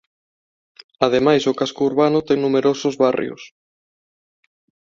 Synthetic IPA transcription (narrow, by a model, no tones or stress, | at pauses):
aðemajsʊkaskouɾβanʊt̪ɛŋnumeɾosʊzβarj̰o̰s